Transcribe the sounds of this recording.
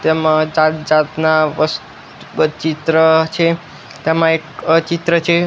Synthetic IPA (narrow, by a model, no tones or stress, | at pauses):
t̪emãd͡ʒad͡ʒat̪naʋəs | t͡ʃit̪ɾət͡ʃʰe | t̪emãekt͡ʃit̪ɾət͡ʃʰe